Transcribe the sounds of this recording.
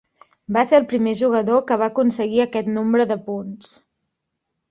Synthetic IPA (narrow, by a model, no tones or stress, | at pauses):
baseəlˠpɾimeʒuɣ̞əðokəβ̞aəkunsəɣiəkɛt̪nombɾəðəpuns